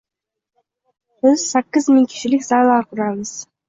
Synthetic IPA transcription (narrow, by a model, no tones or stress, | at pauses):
b̥ɪz̥sækʲːɪzmɪŋkʲʰɪ̥ʃɪlɪkʲzɑlˠɑɾqʰʊɾɑβəz̥